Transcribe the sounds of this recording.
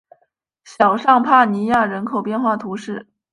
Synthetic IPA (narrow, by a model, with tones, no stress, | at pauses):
ɕjɑ˨˩ʊʂɑ˥˧ŋpʰa˥˩ni˧˥ja˥˩ɻə˧˥nkʰo˨˩ʊpjɛ˥˧nxwa˥˩t̪ʰu˧˥ʂɻ̩˥˩